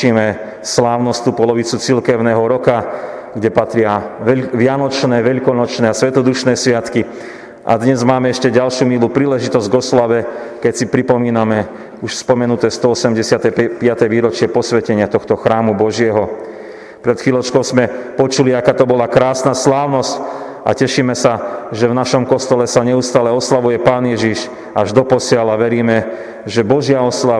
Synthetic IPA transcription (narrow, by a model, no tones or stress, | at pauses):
imɛ | slaːʊnɔst̪uːpɔlɔʋit͡sut͡silkɛʊnɛːɦɔɾɔka | ɡɟɛpat̪ɾɪaʋɪanɔt͡ʃnɛːʋɛʎkɔnɔt͡ʃnɛːasʋɛt̪ɔd̪uʃnɛːsʋɪat̪ki | ʔa̰d̪ɲɛzmaːmɛɛʃcɛɟalʃjuːmiluːpɾiːlɛʒit̪ɔzɟɡɔslaʋɛkɛcsipɾipɔmiːnamɛ | uʃspɔmɛnut̪ɛːst̪ɔɔsɛmɟɛsɪat̪ɛpɪat̪ɛʋiːɾɔt͡ʃɪɛpɔsʋɛcɛɲɪat̪ɔxt̪ɔxɾaːmubɔʒɪɛɦɔ | pɾɛt̪xʋiːlɔt͡ʃkɔʊzmɛpɔt͡ʃuliakaːt̪ɔbɔlakɾaːsnaslaːʊnɔsc | a̰cɛʃimɛsaʒɛvnaʃɔmkɔst̪ɔlɛsaɲɛust̪aːlɛɔslaʋujɛpaːnɪjɛʒiʃ | aʒd̪ɔpɔsɪalaʋɛɾiːmɛ | ʒɛbɔʒɪaɔsla